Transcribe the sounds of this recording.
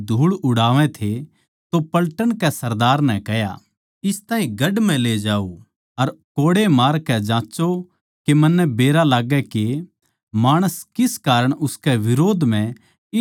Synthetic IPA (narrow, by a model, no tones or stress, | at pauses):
d̪ʱuːɭʊɽaːʋɛ̃t̪ʰe | t̪opɐlʈəɽ̃kɛsɐɾd̪aːɾnɛ̃kɛja̰ | ɪst̪ãːɦĩɡɐɖmɛ̃leːd͡ʒaːu | ɐɾkoːɽemaːɾkɛd͡ʒãːt͡ʃo | kemɐnːɛbeːɾalaːɡɛke | maːɽ̃əskɪskaːɾəɽ̃ʊskɛʋɪɾoːd̪ʱm̤ɛ̃ | ɪ